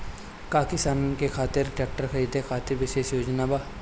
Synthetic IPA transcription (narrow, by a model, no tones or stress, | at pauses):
kaːkɪst̪aːnkekʰaːt̪ɪɾʈɛk̚ʈəɾxəɾiːd̪ʱekʰaːt̪ɪɾʋɪʃeːʃjoːd͡ʒnabaː